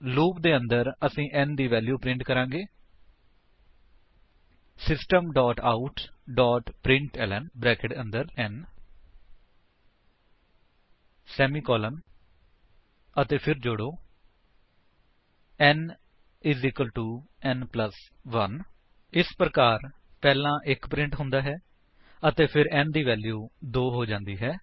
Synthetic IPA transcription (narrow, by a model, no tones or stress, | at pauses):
luːp̚d̪eːə̃nd̪əɾəsĩːʔɛnd̪iːʋɛːljuːpɾɪ̃ɳʈkəɾãːɡeː | sɪsʈəmɖɔːʈaːʊʈɖɔːʈpɾɪ̃ɳʈɛːlɛnbɾɛːkɪʈə̃nd̪əɾɛn | sɛːmiːkɔːlən | ət̪eːpʰɪɾd͡ʒʊɽoː | ɛn | ɪzɪkəlʈuːɛːnpləs | ʋən | ɪspɾəkaːɾ | pɛːlãːʔɪkpɾɪ̃ɳʈɦʊ̃nd̪aːɦɛː | ət̪eːpʰɪɾɛːnd̪iːʋɛːljuːd̪oːɦoːd͡ʒãːnd̪iːɦɛː